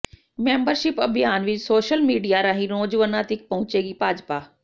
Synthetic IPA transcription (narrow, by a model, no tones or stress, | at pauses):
mẽːmbəɾʃɪpɐbʱijaːnʋɪt͡ʃsoːʃəlmiːɖijaɾãːɦĩɾõːd͡ʒʋənaːt̪ɪk̚pɐɦʊ̃t͡ɕeːɡiːpaːd͡ʒpaː